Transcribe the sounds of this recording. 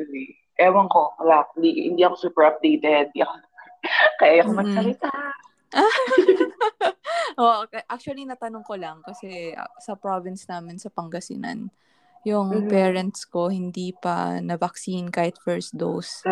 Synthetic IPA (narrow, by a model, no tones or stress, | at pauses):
li | ʔɛːwɐŋkoɐlak̪d̪iɪ̰nd̪iʔɐkosuːpɛɹʔɐp̚d̪ejt̪ɛd̪̚ak | kɐʔajɐkomɐsɐɾɪt̪a | ʔa | ʔoʔokɐʔak̚t͡ʃʊwɐlinɐt̪ɐnoŋkolɐŋkɐsɛ̰sɐpɾɹovɪnsnaːmɪnsɐpɐŋɡɐsɪ̰nɐ̰n | jʊŋpɛːɹɐnt̪sko̞hɪnd̪iːpɐ̰nɐvɐksinkaːhɪt̪fɛɹsd̪o̰s